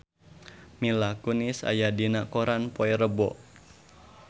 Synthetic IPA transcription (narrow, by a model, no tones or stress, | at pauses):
milakunisa̰jadinakoɾanpoɛɾəbɔʔ